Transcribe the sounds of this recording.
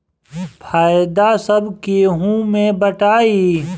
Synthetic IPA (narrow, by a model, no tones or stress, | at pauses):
pʰaːjd̪asɐbkeɦũːmẽbɐʈaːi